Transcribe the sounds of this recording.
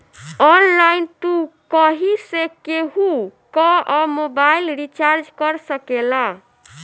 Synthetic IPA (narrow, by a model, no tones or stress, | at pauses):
ɔnlaint̪ukɔɦisekeɦukɔɔmobailɾit͡ʃaɾd͡ʒkəɾsəkela